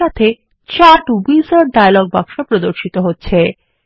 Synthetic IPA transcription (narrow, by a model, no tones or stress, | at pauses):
at̪ʰe | t͡ɕaʈubizaɾɖajlɔɡ̚ba̰ŋʃopɾod̪oɾʃit̪oɦotːɕʰe